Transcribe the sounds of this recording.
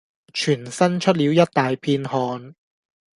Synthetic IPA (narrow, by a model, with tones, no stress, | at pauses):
t͡ʃʰyː˨˩nsɐ˥nt͡ʃʰɵ˥t̬̚liː˨˥wjɐ˥t̚t̪aː˨jpʰiː˧nɦɔː˨˧n